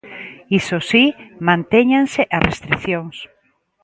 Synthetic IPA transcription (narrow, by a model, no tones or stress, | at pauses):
isosimãnt̪eɲaŋseʔarʔest̪ɾiθjoŋs